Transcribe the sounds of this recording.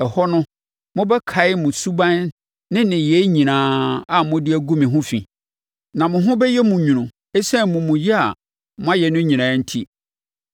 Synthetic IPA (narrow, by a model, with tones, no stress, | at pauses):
ɛ˨hɔ˦nʊ̃˦ | mʊ̃˦bɛ˦kʰa˨ɪ˦mʊ̃˨su˦bã˦n | nɪ̃˦nɪ̃˨jɛ˨˦ɲĩ˨nãː˦a˨mʊ̃˦dɪ˦æ˦ɡu˦mĩ˨ɦʊ̃˦fḭ̃˨ | nã˨mʊ̃˨ɦʊ̃˦bɛ˦jɛ˦mʊ̃˨ɲũ˨nʊ̃˨ | ɛ˦sɛ̃˦mʊ̃˨mʊ̃˨jɛ˦a̰˨ | mʊ̃˦a˦jɛ˨nʊ̃˦ɲĩ˨nãː˨˦n̩˦tʰi˦